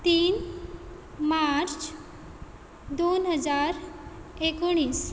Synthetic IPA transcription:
t̪iːn | maɾt͡s | d̪onɦəd͡zaɾekoɽ̃iːs

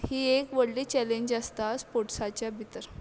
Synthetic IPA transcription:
hiːekʋəɽliːt͡ɕɛleɲd͡ʑəst̪aspoʈsat͡ɕjabʱit̪əɾ

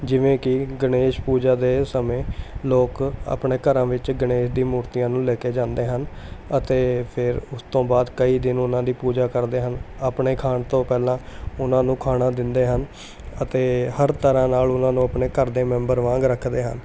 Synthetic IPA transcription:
d͡ʒɪʋẽːkɪɡəneːʃpuːd͡ʒaːd̪eːsəmẽːloːka̰ːpɳeːkəɾãːʋɪt͡ʃɡəneːʃd̪ĩːmuːɾt̪ijãːnũːleːkeːd͡ʒãːnd̪eːɦənət̪eːpʰɪɾʊst̪õːbaːd̪kəiːd̪ɪnʊnãːd̪iːpuːd͡ʒaːkəɾd̪eːɦənaːpɳeːkʰaːɳt̪õːpɛːlãːʊnãːnũːkʰaːɽãːd̪ɪnd̪eːɦən | ət̪eːhəɾt̪əɾãːnaːlʊnãːnũːəpɳeːkəɾd̪eːmɛ̃ːmbəɾʋãːŋɡɾəkʰd̪eːɦə̰n

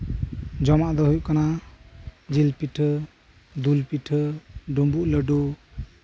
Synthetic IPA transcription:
d͡ʒɔmaʔd̪ɔɦujkana | d͡ʒilpiʈʰɯ | d̪ulpiʈʰəɖumbuʔləɖo

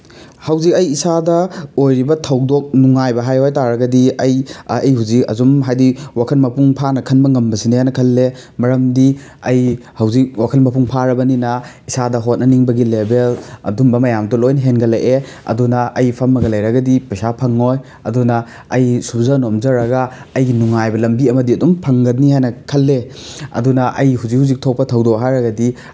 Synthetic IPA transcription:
hɐwzik̚ɐjisadɐojɾibɐtʰɐwdok̚nuŋajbɐɦajhojtaɾɐɡɐdiɐjɐjhuzik̚ɐ̰zumɦajdiwakʰɐlmɐpuŋpʰanɐkʰɐnbɐŋɐmbɐsinijajnɐkʰɐlːemɐɾɐmdiɐjhɐwzik̚wakʰɐlmɐpuŋpʰaɾɐbɐninɐisadɐɦot̚nɐniŋbɐɡilebelɐ̰dumbɐmɐjamtolojnɐɦenɡɐlɐjʔeɐ̰dunɐɐjpʰɐmːɐɡɐlɐjɾɐɡɐdipɐsapʰɐŋːoj | ɐdunɐː | jsubzanomzɐɾɐɡɐɐjɡinuŋajbɐlɐmbiɐmɐdiɐdumpʰɐŋɡɐtniɦajnɐkʰɐlːe | ɐ̰dunɐʔɐjhuzik̚huzik̚tʰok̚pɐtʰɐwdoɦajɾɐɡɐdi

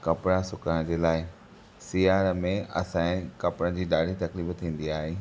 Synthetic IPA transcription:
kɐpɽasʊkaəɽ̃d͡ʑeːlaːɪ | sijaːɾmẽɐ̰sãːɪ̃kɐpɽə̃d͡ʑiːɗaːɽit̪ɐkliːbt̪ʰĩːn̆d̪iaːɦeː

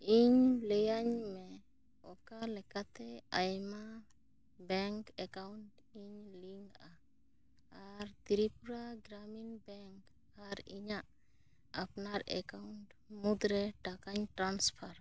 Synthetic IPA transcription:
iɲlejaɲmɛ | ɔkalɛkat̪ɛajma | bɛŋkɛkawɳʈ | iɲliŋɡa | aɾt̪iɾipuɾaɡɾaminbɛŋk | aɾiɲaʔ | apnaɾɛ̰kawɳʈmud̪ɾɛʈakaɲʈɾanspʰaɾ

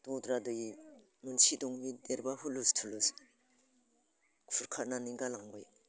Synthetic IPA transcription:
d̥ɔdɾadɯji | munsidɔŋmideɾbahulustʰulus | kfʰuɾkʰananiŋɡalaŋɡɔj

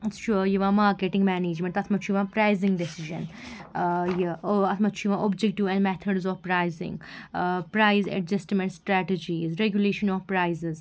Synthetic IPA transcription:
t͡ʃʰujiʋãmaːɾkeʈɪ̃ŋɡmɛneːd͡ʒmẽɳʈ̪ɐt̪ʰmɐt͡ʃʰujʋãpɾaɪzɪ̃ŋɡɖesiʒə̰̃n | jiɐt̪ʰmɐt͡ʃʰujʋãʔɔːbd͡ʒɛkʈiʋɛ̃nmɛt̪ʰəɖzɔːʋpɾaɪzɪ̰̃ŋɡpɾaɪzɛ̰ʈd͡ʒɐsʈmɛ̃ɳʈsʈɾæʈed͡ʒizɾeɡjuleːʃə̃nɔːʋpɾaɪzɪz

